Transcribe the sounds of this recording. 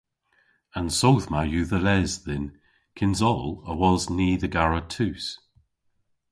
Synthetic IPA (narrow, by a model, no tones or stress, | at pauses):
ənsowθmajʉːðəlɛzðɪn | kʰɪnzɔləwɔzniːðəɡaɹətʰʉːs